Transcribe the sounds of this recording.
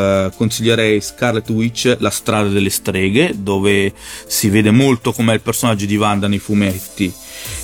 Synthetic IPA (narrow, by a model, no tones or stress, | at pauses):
konsiʎːeɾɛjskarlet̪uit͡ʃːlast̪ɾaːd̪ad̪elːest̪ɾɛːɡed̪oːvesiveːd̪emolt̪okomɛilpersonad͡ʒːod̪ivand̪anejfumɛt̪ːi